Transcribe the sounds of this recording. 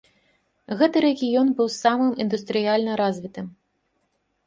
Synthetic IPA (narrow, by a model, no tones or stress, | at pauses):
ɣɛt̪ɨɾɛɣʲijɔnbɨwsamɨmind̪ust̪ɾɨjalʲnɐɾazʲvʲit̪ɨm